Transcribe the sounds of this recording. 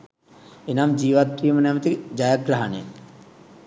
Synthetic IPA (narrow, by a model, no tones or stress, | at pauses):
enamd͡ʒiːʋat̪̚pɾiːmənamt̪id͡ʒajakɡɾaɦanḛ